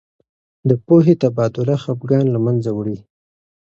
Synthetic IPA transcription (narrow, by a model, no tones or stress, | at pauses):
d̪əpoɦet̪abɑd̪ʊlaxapɡɑnlamanzawɽi